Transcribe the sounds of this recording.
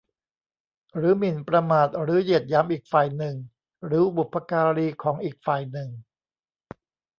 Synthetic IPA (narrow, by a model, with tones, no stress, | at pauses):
ɾɯː˨˩˦mi˨˩npɾa˧maː˨˩t̪̚ɾɯː˩˦ji˨˩ət̪̚jaː˦˥mʔiː˨˩k̚faː˨˩jnɯ˨˩ŋ | ɾɯː˩˦bu˨˩pʰːa˧kaː˧ɾiː˧kʰɔː˩˦ŋʔiː˨˩k̚faː˨˩jnɯ˨˩ŋ